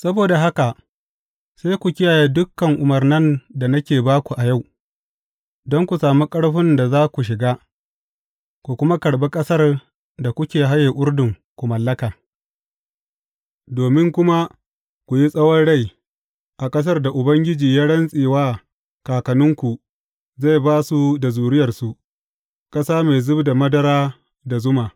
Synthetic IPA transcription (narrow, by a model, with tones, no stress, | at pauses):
sɐ˦boː˨da˨ɦa˦ka˨ | sa˦jkʷu˨kʲɪ˦jaː˨jeː˦dʊ˦kːɐ˨ŋʔʊ˨mɐ˨rnɐ˦nda˨na˦kʲeː˨baː˦kʷu˨ʔa˨ja˦˨w | dɔ˦ŋkʷu˨saː˨mu˦kʼɐ˦ɽɸɪ˦nda˨zaː˦kʷu˨ʃ̬ɪ˨ɡaː˦ | ku˨kʷʊ˦ma˦kɐ˨ɽbeː˦kʼɐ˦sɐ˦r | da˨kʷʊ˦kʲeː˨ɦa˦jeː˨ʔʊ˦ɽdʊ˨ŋ | kʷu˨mɐ˨lːɐ˦kaː˨ | doː˨mɪ˦ŋkʷʊ˦ma˦ | kʷu˨ji˦sʼɐ˦wɔ˦nɽa˦˨j | ʔa˨kʼɐ˦s̬ɐ˦rda˨ʔʊ˨bɐ˦ŋɡʲɪ˦d͡ʒiː˨ja˦ɽɐ˦nsʼiː˨waː˦ | kaː˨kɐ˨nʊ˦ŋkʷu˨ | za˦˨jbaː˦su˦da˨zuː˨ɽɪ˦jɐ˨rsu˨ | kʼɐ˦saː˦me˨jzʊ˦bda˨mɐ˦dɐ˦ɾaː˦ | da˨zʊ˦maː˨